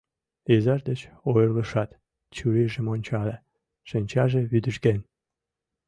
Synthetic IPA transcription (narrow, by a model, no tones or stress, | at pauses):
ezɑʒd̪ət͡ɕojərlə̆ʃɑt̪ | t͡ɕuɾiʒĕmonʲt͡ɕɑlʲe | ʃə̆nʲt͡ɕɑʒeβyd̪ə̆ʃɡen